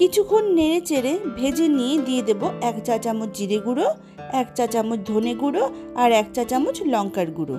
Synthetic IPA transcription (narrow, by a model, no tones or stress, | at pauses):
kit͡ɕʰukʰonːeɾet͡ɕeɾebʱed͡ʑenijed̪ijed̪eboɛkt͡ɕat͡ɕamut͡ɕd͡ʑiɾeɡuɽo | ɛktat͡ɕamot͡ɕd̪ʱoneɡuɽo | aɾɛk̚tat͡ɕamut͡ɕlɔŋkaɾɡuɽo̰